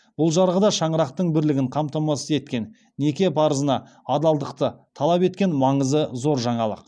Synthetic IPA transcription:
b̥ʊlˠʒɑɾʁəd̪ɑʃɑɴəɾɑqt̪əɴbɪɾlɪɡʲɪɴqʰɑmt̪ɑmɑsəze̞t̪kʲe̞n | nːe̞kʲe̞pʰɑɾəzənɑ | ɑd̪ɑlˠd̪əqt̪ət̪ʰɑlˠɑpe̞t̪̚kʲe̞nmɑɴəzəzo̞ɾʒɑɴɑlˠə̰q

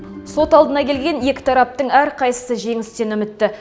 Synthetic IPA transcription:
so̞t̪ɑlˠd̪ənɑkʲʰe̞lɡʲe̞nje̞kʲɪ̥t̪ʰɑɾɑp̚t̪əɴæɾqʰɑjsə̥səʒe̞ŋɪst̪e̞nʏmɪt̪ːɪ

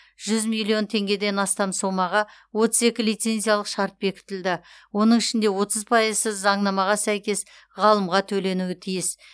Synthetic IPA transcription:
ʒ̥ʏzmilʲˠijo̞nt̪ʰe̞ŋɡʲe̞d̪e̞nɑst̪ɑmso̞mɑʁɑwo̞t̪əze̞kʲɪlijt̪se̞nzijalˠəqʃɑɾt̪̚be̞kʲɪ̥t̪ɪld̪ɪ | wo̞nəɴɪʃɪnd̪e̞wo̞t̪əzpʰɑjəzsəzɑɴnɑmɑʁɑsæjkʲe̞s | ʁɑlˠəmʁɑt̪ʰɵle̞nuɪt̪ʰijɪs

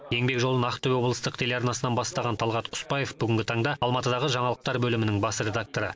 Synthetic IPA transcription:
je̞ŋbe̞kʒolˠənɑqt̪ʰːʏbwo̞blˠəst̪əqt̪ʰe̞leɑɾnɑsənɑnbɑst̪ɑʁɑnt̪ʰɑlˠʁɑt̪ʰʊ̥spɑjefbʏɡʲɪŋɡʲɪt̪ʰɑɴd̪ɑɑlˠmɑt̪əd̪ɑʁəʒɑɴɑlˠəq̚t̪ɑɾbɵlɪmɪnɪŋbɑsɾe̞d̪ak̚t̪o̞ɾə

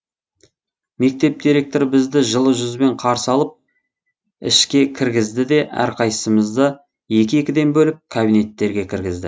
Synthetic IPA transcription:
me̞k̚t̪e̞p̚d̪iɾe̞k̚t̪oɾəbɪzd̪ɪʒəlˠəʒʏzbe̞ɴqʰɑɾsəɑlˠəp̚ | ɪ̰ʃkʲe̞kʲʰɪɾɡʲɪzd̪ɪd̪e̞ʔæ̰ɾqʰɑjsəməzd̪ə | je̞kʲɪekʲɪd̪e̞nbɵlɪp̚kʰabijne̞t̪ːe̞ɾɡʲe̞kʲʰɪɾɡʲɪzd̪ɪ

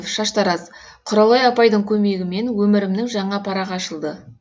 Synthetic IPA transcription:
fʃɑʃt̪ɑɾɑz | qʰʊɾɑlˠɑjɑpɑjd̪əɴkʲʰɵme̞ɡʲɪme̞nwɵmɪɾɪmnɪŋʒɑɴɑpʰɑɾɑʁɑʃəlˠd̪ə

